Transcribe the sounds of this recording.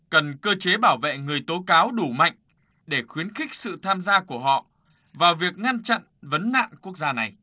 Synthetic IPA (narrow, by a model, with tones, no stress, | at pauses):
kə˨˩nkəː˧t͡ɕe˨˦ɓaː˧˩wvḛ˧˨ŋɨ˨˩əjt̪o˨˦kaː˨˦wɗu˧˩ma̰˧˨jŋ̟ | ɗe˧˩xwi˨˦ənxï˦˥k̟̚sɨ̰˧˨t̪ʰaː˧mzaː˧ku˧˩əɦɔ̰˧˨ | vaː˨˩wvi˨˩ək̚ŋa˧nt͡ɕa̰˧˨nvə˨˦nːa̰ː˧˨nku˦˥ək̚zaː˧na˨˩j